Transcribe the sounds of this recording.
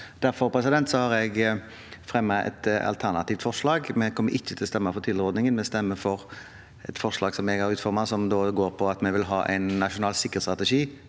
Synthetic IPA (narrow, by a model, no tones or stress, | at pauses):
d̪̥æɾfɔɾpʰɾɛsɪd̪ɛnt̪sɔhɑɾɛɡ | fʁɛmːɑʔɛ̰t̪ɑ̰lt̪ʰænɑt̪iːft̪fɔʁʂlɑːɡmɛkʰɔmːəɾʔɪçːət̪ʰɪlɔst̪ɛmːɑfɔɾt̪ʰɪlɾɔd̪nɪŋənmɛst̪ɛmːəfɔʁ | ɛ̰t̪fɔʁʂlɑːɡsɔmɛɡæɾʉːt̪fɔʁmɑsɔmd̪oːɡoːɾpʰɔɑt̪mɛʋɪlɦɑ̰ːʔæ̰ɪnːɑʂʊnɑːlsɪkːət̪st̪ʁɑt̪ɛʂiː